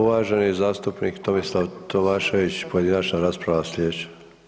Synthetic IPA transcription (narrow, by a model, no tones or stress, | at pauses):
uʋaːʒe̞niezaːst̪upnikt̪o̞mislˠaʋt̪ʰo̞maːʃe̞ʋit͡ɕpo̞je̞d̪inat͡ʃnaɾaːspɾaʋaslʲeːt͡ɕe̥